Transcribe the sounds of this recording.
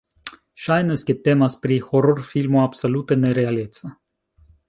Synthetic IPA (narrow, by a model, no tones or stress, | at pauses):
ʃajnəskʲet̪emaspɾixoɾorfilmuabsolut̪əneɾealet̪sə